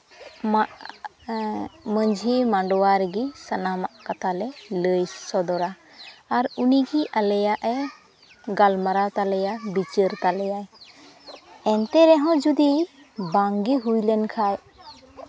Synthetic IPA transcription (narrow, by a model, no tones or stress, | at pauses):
maʔ | məɲd͡ʒʱimaɳɖɔwaɾɡisanamaʔkat̪ʰalɛləjsɔd̪ɔɾaː | ɾuniɡiʔalɛjaʔɛ | ɡalmaɾat̪alɛjabit͡ʃəɾt̪alɛjaj | ɛnt̪ɛɾɛɦɔ̃d͡ʒud̪i | baŋɡiɦujlɛnkʰaj